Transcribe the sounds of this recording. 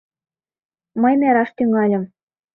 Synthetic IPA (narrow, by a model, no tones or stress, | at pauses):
mɤjmæɾɑʃt̪yŋɑlʲɤ̆m